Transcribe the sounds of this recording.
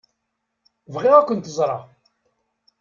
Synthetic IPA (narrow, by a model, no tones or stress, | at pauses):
vʁiʁækʷːənt̪əzˤɾˤɑ̰